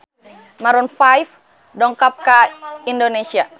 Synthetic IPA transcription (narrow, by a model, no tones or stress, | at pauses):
maɾunfajf | dɔŋkap̚kaindonesia